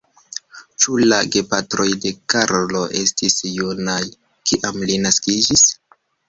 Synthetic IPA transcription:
t͡ʃulaɡe̞patɾo̞jde̞kaɾlo̞ʔe̞stisjunaj | kiʔamlinaskid͡ʒis

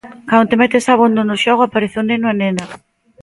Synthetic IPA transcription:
kant̪emɛt̪esaβond̪onoʃɔɣʊapaɾeθenenoanena

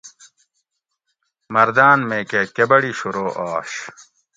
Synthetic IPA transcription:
mɐɾd̪aːnmeːkekebɐɽiɕuɾoːʔaːɕ

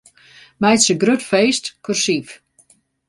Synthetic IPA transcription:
mɛjtsəɡrøtfeːstkʰursif

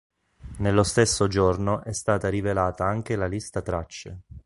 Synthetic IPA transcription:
nelːost̪esːod͡ʒornoʔɛst̪aːt̪aɾivelaːt̪aaŋk̟elalist̪at̪ɾat͡ʃːḛ

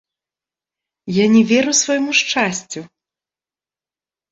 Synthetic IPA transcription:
janʲɛvʲɛɾɨwsvɔjmuʂt͡ʂasʲt͡sʲu

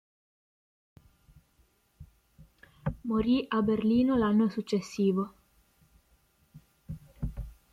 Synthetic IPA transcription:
moɾiʔaberliːnolanːosut͡ʃːesːiːvo

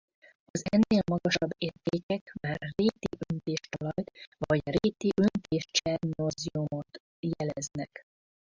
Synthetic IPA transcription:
ɒzɛnːeːlmɒɡɒʃɒbːeːrt̪eːkɛkmaːrːeːt̪iʔønt̪eːʃt̪ɒlɒjt̪vɒɟreːt̪iʔønt̪eːʃt͡ʃɛrnorziumot̪ | jɛlɛznɛk

